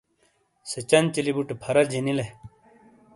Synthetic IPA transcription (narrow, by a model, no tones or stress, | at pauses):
sət͡ɕɐnt͡ɕilibuʈpʰɐɾɐd͡ʑinile